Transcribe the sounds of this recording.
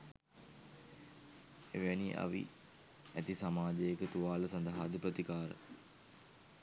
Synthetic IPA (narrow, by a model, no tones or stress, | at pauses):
eʋeniʔa̰ʋḭ | æt̪isamaːd͡ʒəjekət̪uʋaːləsand̪aɦaːd̪əpɾət̪ikaːɾə̰